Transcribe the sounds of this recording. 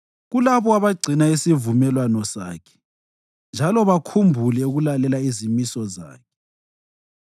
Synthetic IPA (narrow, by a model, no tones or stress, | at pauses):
ɣulaβɔaβaɡ͡ǀʱinaisivumɛlwanɔsa̰ːkʰɛ̥ | nd͡ʒʱalɔβakʰumbʱulɛuɣulalɛlaizimisɔza̰ːkʰɛ̥